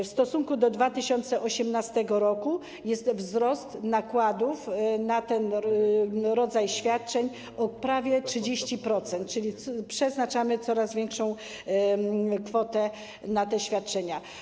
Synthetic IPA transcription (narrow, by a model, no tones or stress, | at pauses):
fst̪ɔsuŋkud̪ɔd̪vat̪ɘɕɔnt̪sɛʔɔɕɛmnast̪ɛɡɔɾɔku | jɛst̪vzɾɔst̪nakwad̪ufnat̪ɛn | ɾɔd̪zajɕfʲjat̪̚t͡ʂɛɲ | ɔpɾavʲjɛtʂɘd͡ʑeɕt͡ɕipɾɔt̪sɛnt̪̚t͡ʂɘlʲipʂɛznat͡ʂamɘt̪sɔɾazvʲɛŋkʂɔ̃w̃ | kfɔt̪ɛ | nat̪ɛɕfʲjat̪̚t͡ʂɛɲa